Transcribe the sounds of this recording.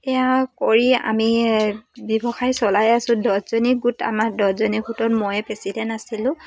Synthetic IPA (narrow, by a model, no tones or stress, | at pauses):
ɛjakoɹia̰mi | bɔbɔxajsɔlajasʊ̃dɔtzɔniɡuta̰madɔzɔniɡutɔtmojɛpɹesidɛnasilʊ̃